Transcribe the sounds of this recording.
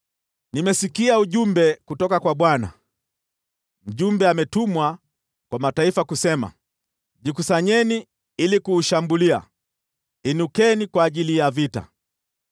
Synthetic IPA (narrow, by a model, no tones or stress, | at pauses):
nimɛsikiauʄumbɛkutɔkakwaɓwana̰ | m̩ʄumbɛamɛtumwa | kwamataifakusɛma̰ | ʄikusaɲɛni | ilikuːʃambulia̰ | inukɛnikwaːʄilijavita̰